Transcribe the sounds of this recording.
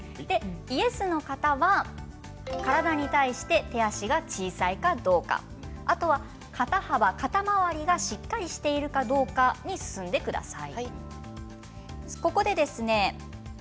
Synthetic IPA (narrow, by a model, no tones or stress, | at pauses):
d̪̥e̞ie̞sɨno̞kat̪aβa | kaɾad̪aɲ̟it̪aiɕi̥t̪e̞t̪e̞aɕiɡat͡ɕiːsaikad̪o̞ːka̰ | at̪o̞βa | kʰat̪ahaβakat̪amaβaɾʲiɡaɕikːaɾʲiɕi̥t̪e̞iɾɯ̟kad̪o̞ːkaɲ̟isɨ̥sɨ̃nd̪e̞kɯ̟d̪a̰sai | ko̞ko̞d̪e̞d̪e̞sɨne̞